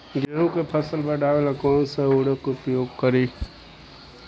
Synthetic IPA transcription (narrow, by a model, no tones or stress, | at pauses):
ɡaːɦũkepʰəsəlbəɖʱaːʋelakɔːnsəuɽəkʊpjoːɡkəɾiː